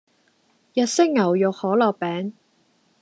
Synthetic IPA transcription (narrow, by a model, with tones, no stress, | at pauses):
jɐ˨t̚sɪ˥k̚ŋɐ˨˩wjʊ˨k̚hɔː˨˥lɔː˨k̚pɛː˨˥ŋ